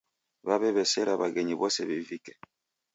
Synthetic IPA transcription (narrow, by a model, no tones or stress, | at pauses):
babɛbɛsɛɾabaɡɛɲibɔsɛbevikɛ̥